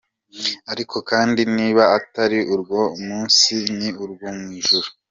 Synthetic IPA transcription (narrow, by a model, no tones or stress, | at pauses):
aɾikʰo̞kaːndiniːβaataɾiʔuɾɡwo̞muːnsiniuɾɡomŋwiːʒuɾu